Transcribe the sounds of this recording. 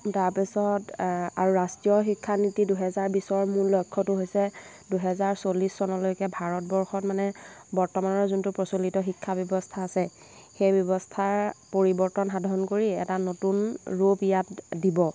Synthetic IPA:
taɹpisɔtaɹuɹastɹiɔxikʰːanitiduɦɛzaɹbisɔɹmuɹlɔjkʰːɔtʊɦojsɛ | duɦɛzaɹsolisːɔnɔlojkɛbʱaɹɔt̚bɔɹxɔtmanɛbɔɹtɔmanɔɹzuntupɹɔsolitɔxikʰːabjɔbɔstʰaːsɛ | xejbɔbɔstʰaɹpoɹibɔɹtɔnxadʱɔɹɔnkoɹiɛ̰tanotunɹopijatdibɔ

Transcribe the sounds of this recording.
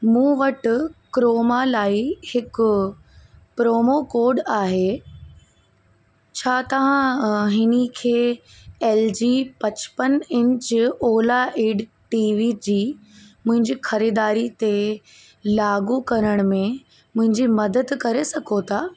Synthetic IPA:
mũːʋɐʈʊ̆kɾoːmalaːihɪkʊ | pɾoːmokoːɾɖaːɦe | t͡ɕʰaːt̪ɐʋ̤ãɦɪnəkʰeː | ɛːld͡ʑiːpɐt͡ɕpənɪ̃ɲt͡ɕoːlaʔeːɖ | ʈiːʋiːd͡ʑiːmʊ̃ɦɪ̃ɲd͡ʑiːxɐɾiːd̪aːɾit̪e | laːɡukɐɾəɽ̃mẽ | mʊ̃ɦɪ̃ɲd͡ʑimɐd̪əd̪kɐɾesɐɡʰʱot̪ʰaː

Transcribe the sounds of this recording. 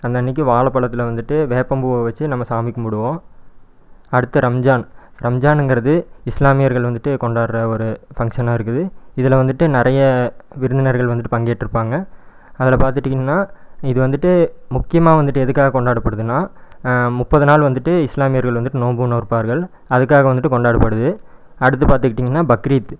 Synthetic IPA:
ɐnd̪ɐnːɪk̬ːɯʋaːɭɐpːɐɭɐt̪ːɪlɐʋɐnd̪ɯʈːɯʋeːpːɐmbɯoːʋɐt͡ʃːɯnɐmːɐsaːmɪkːɯmʊɽɯʋõ | ɐɽɯt̪ːɐɾɐmd͡ʒaːnɾɐmd͡ʒaːnɛŋɡɯɾɐðɯɪslaːmɪjɐɾɣɐɭʋɐnd̪ɯʈːɯkɔɳɖaːɽɾɐɔɾɯfɐŋkʂɐnaːɪɾɯkːɯðɯɪðɪlɐʋɐnd̪ɯʈːɯnɪɾɐjɐʋɪɾɯnd̪ɪnɐɾɣɐɭʋɐnd̪ɯʈːɯpɐŋɡeːʈːɪɾɯpːaːŋɡɐ | ɐðɪlɐpaːɾt̪ɯʈːiɪŋɐnːaːɪðɯʋɐnd̪ɯʈːɯmʊkːɪjɐmaːʋɐnd̪ɯʈːɯɛðɯkːaːɣɐkɔɳɖaːɽɯpːɐɽɯðɯnːaː | mʊpːɐðɯnaːlʋɐnd̪ɯʈːɯɪslaːmɪjɐɾɣɐɭʋɐnd̪ɯʈːɯnoːmbɯnoːɾpaːɾɣɐɭ | ɐðɯkːaːɣɐʋɐnd̪ɯʈːɯkɔɳɖaːɽɯpːɐɽɯðɯ | ɐɽɯt̪ːɯpaːɾt̪ɯkːɪʈːiːŋɡɐnːaːbɐkɾiːt̪

